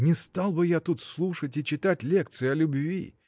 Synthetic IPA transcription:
nʲɪst̪alˠbɨjat̪ut̪slˠuʂətʲɪt͡ɕɪt̪atʲlʲe̞k̚t̪sɨɪɐlʲʊbvʲḭ

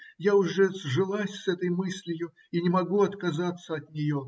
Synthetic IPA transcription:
jaʊʐɛzʐɨlˠasʲsɛt̪əjmɨsʲlʲɪjʊ | inʲɪmɐɡuɐt̪kɐzat̪səɐt̪nʲɪjo

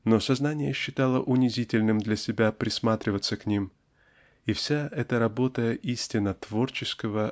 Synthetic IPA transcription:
no̞sɐznanʲɪjəɕːɪt̪alˠəʔʊnʲɪzʲitʲɪlʲnɨmd̪lʲɐsʲɪbʲapɾʲɪsmat̪ɾʲɪvət̪səknʲim | ifsʲaɛt̪əɾɐbo̞t̪əʔisʲtʲɪnət̪vo̞rt͡ɕɪskəvə

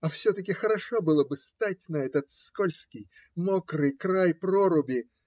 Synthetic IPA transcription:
ɐfsʲɵt̪əkʲɪxəɾɐʂobɨlˠəbɨst̪atʲnɐɛt̪ət̪skolʲskʲɪj | mokrɨjkɾajproɾʊbʲɪ

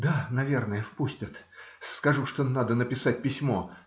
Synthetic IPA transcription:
d̪anɐvʲe̞rnəjəfpusʲtʲɪt̪ | skɐʐuʂt̪onad̪ənəpʲɪsat̚ʲpʲɪsʲmo̞

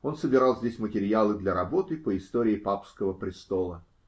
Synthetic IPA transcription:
o̞nsəbʲɪɾɑlˠzʲdʲesʲmətʲɪɾʲjalˠɨd̪lʲɐɾɐbo̞t̪ɨpəɪst̪oɾʲɪːpapskəvəpɾʲɪst̪o̞lˠə

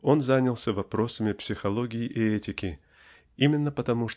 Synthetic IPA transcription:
o̞nzanʲəlˠsʲəvɐpɾo̞səmʲɪpsʲɪxɐlˠo̞ɡʲɪjɪʔɪɛtʲɪkʲɪ | imʲɪnːəpət̪ɐmuʂ

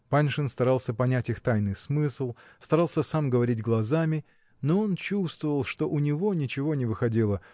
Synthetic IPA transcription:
panʲʂɨnst̪ɐɾalˠsʲəpɐnʲætʲixt̪ajnɨjsmɨslˠst̪ɐɾalˠsʲəsamɡəvɐɾʲidʲɡlˠɐzamʲɪ | no̞o̞nt͡ɕust̪vəvəlˠʂt̪o̞ʔʊnʲɪvo̞nʲɪt͡ɕɪvo̞nʲɪvɨxɐdʲilˠə

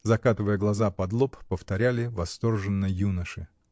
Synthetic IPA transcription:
zɐkat̪ɨvəjəɡlˠɐzapɐd̪lˠoppəft̪ɐɾʲælʲɪvɐst̪o̞rʐɨnːəjunəʂɨ

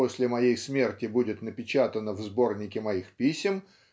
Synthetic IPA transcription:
osʲlʲɪmɐjejsmʲe̞rtʲɪbudʲɪt̪nəpʲɪt͡ɕat̪ənəvzbo̞rnʲɪkʲɪmɐixpʲisʲɪm

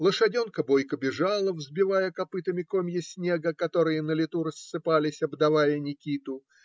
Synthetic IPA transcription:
lˠəʂɐdʲonkəbo̞jkəbʲɪʐalˠəvzbʲɪvajəkɐpɨt̪əmʲɪkomʲjəsʲnʲeɡəkɐt̪o̞ɾɨjənəlʲɪt̪uɾəsːɨpalʲɪsʲɐbd̪ɐvajənʲɪkʲit̪ʊ

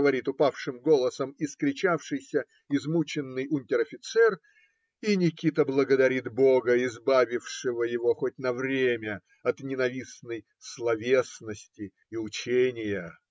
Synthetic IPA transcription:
əvɐɾʲit̪ʊpafʂɨmɡo̞lˠəsəmɪskɾʲɪt͡ɕafʂɨjsʲə | ɪzmut͡ɕɪnːɨjʊnʲtʲɪɾɐfʲɪt̪sɛr | inʲɪkʲit̪əblˠəɡəd̪ɐɾʲit̪bo̞ɡəɪzbavʲɪfʂɨvəjɪvo̞xot̚ʲnɐvɾʲemʲə | ɐt̪nʲɪnɐvʲisnəj | slˠɐvʲesnəsʲtʲɪː | ʊt͡ɕenʲɪjə

